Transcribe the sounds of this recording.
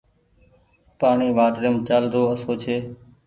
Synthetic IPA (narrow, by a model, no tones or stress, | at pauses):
paːɳiːʋaːʈɾəmt͡ʃaːlɾoːəsoːt͡ʃʰeː